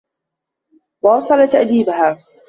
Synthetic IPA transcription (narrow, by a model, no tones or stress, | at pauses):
wɑːsˤɑlat̪aʔd̪iːbaɦaː